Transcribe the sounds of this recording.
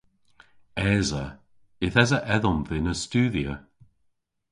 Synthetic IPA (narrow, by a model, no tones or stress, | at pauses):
ɛːzə | ɪθɛzəʔɛðɔmvɪnəstuːðiə